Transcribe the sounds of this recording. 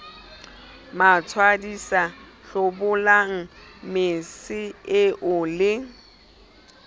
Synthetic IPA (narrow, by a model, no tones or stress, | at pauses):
mat͡sʰwadisaɬʊbʊlaŋ̩mɪsɪɪʔʊlɪ